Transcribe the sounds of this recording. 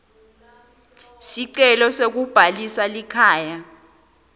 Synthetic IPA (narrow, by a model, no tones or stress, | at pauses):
siǀɛlɔsek̬ub̥ʱalisalikʰaːja